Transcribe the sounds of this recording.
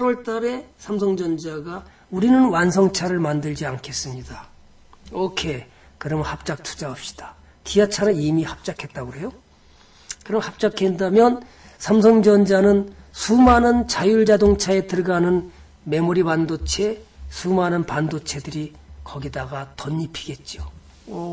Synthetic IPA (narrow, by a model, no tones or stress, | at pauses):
aɾwʌɭt͈aɾe̞sʰamsʰʌŋd͡ʑʌnd͡ʑaɡa | uɾinɯnwans̬ʰʌŋt͡ɕʰaɾɯɭmandɯɭd͡ʑiankʰe̞s͈ɯmɲida | ʌkʰe̞ | kɯɾʌmhap̚t͡ɕ͈ak̚tʰu̥d͡ʑaʌp̚ɕ͈i̥d̥ḁ | tiat͡ɕʰanɯnimihap̚t͡ɕ͈akʰe̞t̚t͈aɡoɾe̞jo | kɯɾʌmhap̚t͡ɕ͈akʰendamjʌn | sʰams̬ʰʌŋd͡ʑʌnd͡ʑanɯnsʰumanɯnt͡ɕajuɭd͡ʑadoŋt͡ɕʰae̞tɯɭɡanɯn | me̞muɾiwandot͡ɕʰe̞sʰumanɯnpandot͡ɕʰe̞dɯɾi | kʌɡidaɡatʌɲːipʰi̥ɡe̞t̚t͡ɕ͈o